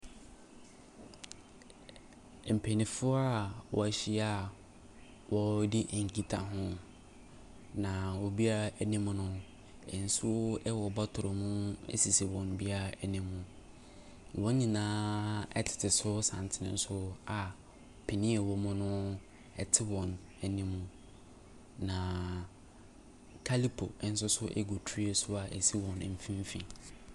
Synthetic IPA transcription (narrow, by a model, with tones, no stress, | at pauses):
m̩˨pʰe˨nĩ˨fʊ˦a˦˨wʔɔ̰˨æ˨ɕi˦a˦˨ | wɔ˦di˦ʔŋ̩˨ki˦tʰa̰˨ɦʊ̃˦ | nã˨wɔ˨bi˦a˦˨nĩ˦m˦nʊ̃˦ | ḛ˨n̩˨su˦ɛ˦wɔ˨ba˦tʰʊ˨ɾʊ˨mũ˦ḛ˦si˨si˨wɔ̃˨n˨bi˦a˦æ˨nĩ˦mːũ˨ | wɔ̃˦ɲĩ˨nãː˦ɛ̰˦tʰɪ̥˨tʰɪ˨sʊ˦sã̰˨n˨tʰɪ˦nɪ̰̃˨˦n̩˦sʊ˦a˨ | pʰɪ˨nɪ̃˦ɛ˨wɔ˦mʊ̃˦nʊ̃˦ | ɛ˨tʰɪ˦wɔ̃˨n | ɛ˨nĩ˦mũ˦ | nã˨ | kʰa˦li˦pʰo̰˨ɪ˦n̩˦s̬ʊ˦sʊ˦ʔɛ̰˦ɡo˨tʰi˦e˨sʊ˦a˨ʔe˨si˦wɔ̃˨n˨m̩˨fĩ˦m˦fḭ̃˨